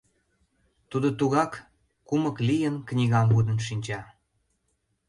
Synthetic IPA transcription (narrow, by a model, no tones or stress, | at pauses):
t̪ud̪ot̪uɣɑk | kuməklijənknʲiɣɑmvud̪ənʃinʲt͡ɕɑ